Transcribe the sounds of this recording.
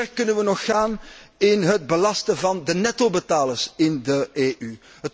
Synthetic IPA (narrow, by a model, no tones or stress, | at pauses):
rkɵnənʋənɔxːaːnɪnɦəd̚bəlɑstəvɑndənɛtobətaːləsɪndəeːʔy | ɦət